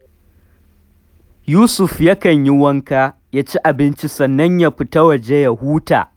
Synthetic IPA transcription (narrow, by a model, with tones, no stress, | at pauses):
juː˦sʊ˨ɸja˦kɐ˨ɲji˦wɐ˦ŋka˦ | jaː˦t͡ʃi˦ʔa˨bɪ˦nt͡ʃi˦sɐ˨nːɐ˦ɲja˦ɸɪ˦tɐ˦wɐ˨d͡ʒe˦jɐ˨huː˦ta̰ː˨